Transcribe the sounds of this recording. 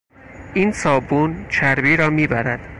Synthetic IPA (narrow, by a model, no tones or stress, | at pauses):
ʔiːnsɒːbuːnt͡ʃʰæɾbiːɾɒːmiːbæɾæd̪̥